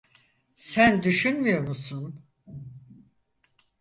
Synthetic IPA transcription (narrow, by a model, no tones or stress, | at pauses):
sænd̪yʃynmyjo̞ɾmusun